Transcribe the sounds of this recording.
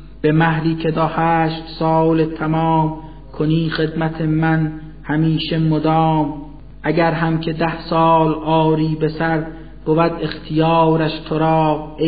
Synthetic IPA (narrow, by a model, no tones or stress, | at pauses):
b̥e̞mæhɾiːkʰe̞d̪ɒːhæːʃt̪sɒːlet̪ʰæmɒːm | kʰoniːxe̞d̪mæt̪ʰemæn | hæmiːʃe̞mod̪ɑːm | ʔæɟæɾɦæmcʰe̞d̪æhsɒːlʔɒːɾiːbesæɾd̪̚ | ɡ̥ovæd̪e̞xt̪ʰijɑːɾæʃt̪ʰoɾɒːqe